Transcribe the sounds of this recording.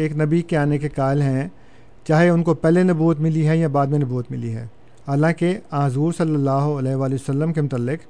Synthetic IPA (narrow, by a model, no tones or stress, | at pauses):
eːknɐbikeaːnekekaːɪlɦɛ̃ | t͡ʃaːɦeʊnkopɛːlenɐbuːət̪mɪliɦɛjãbaːd̪mẽnɐbuːət̪mɪliɦɛ̰̃ː | haːlãːkeãːɦzuːɾsɐlːəlːaːɦoɐlɛːɦʋaːleəsəlːəmkemʊt̪əlːɪq